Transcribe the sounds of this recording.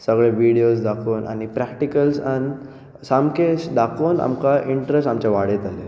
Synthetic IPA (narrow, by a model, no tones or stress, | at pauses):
səɡɭeʋiɽiosd̪akʰoːnʔa̰ɽ̃ipɾɛkʈikəlsan | samkeɕd̪akʰoːna̰mkaʔiɳʈɾesʈamt͡ɕaʋaɽet̪ale